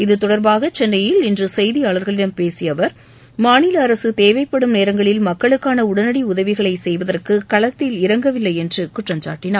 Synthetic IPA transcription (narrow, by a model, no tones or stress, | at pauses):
ɪðɯt̪ɔɽɐɾbaːɣɐt͡ʃɛnːɐjɪlɪndrɯsɛjðijaːɭɐɾɣɐɭɪɽɐmpeːsɪjɐʋɐɾ | maːnɪlɐːɾɐsɯt̪eːʋɐɪpːɐɽɯmneːɾɐŋɡɐɭɪlmɐkːɐɭɯkːaːnɐʊɽɐnɐɽiʊðɐʋɪɣɐɭɐɪsɛjʋɐðɐrkɯkɐɭɐt̪ːɪlɪɾɐŋɡɐʋɪlːɐɪɛndrɯkʊʈrɐmt͡ʃa̰ːʈːɪnaː